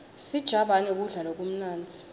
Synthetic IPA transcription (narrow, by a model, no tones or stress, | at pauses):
sid̥ʒ̥ʱaɓanuk̬ʼuɮalok̬ʼum̩naːnd͡zʱi̥